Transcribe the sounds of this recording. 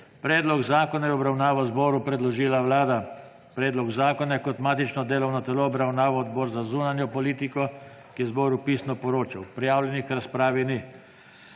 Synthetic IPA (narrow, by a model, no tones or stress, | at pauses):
pɾɛːd̪lɔɡzaːkɔnajɛɔbɾawnaːʋazbɔːɾupɾɛd̪lɔʒiːlaʋlaːd̪a | pɾɛːd̪lɔɡzaːkɔnakɔt̪maːt̪it͡ʃnɔd̪eːlɔwnɔt̪ɛlɔːbɾawnaːʋaɔd̪bɔːɾzazuːnanjɔpɔliːt̪ikɔ | kizbɔːɾupiːsnɔpɔɾoːt͡ʃawpɾijaːwlʲjɛnixɾaspɾaːʋini